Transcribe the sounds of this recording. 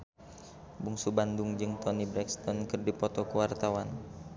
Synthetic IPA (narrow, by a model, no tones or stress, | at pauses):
buŋsubandʊŋd͡ʒɨŋt̪ɔnibɾɛkst̪ɔnkɨrdipɔt̪ɔkuwart̪awan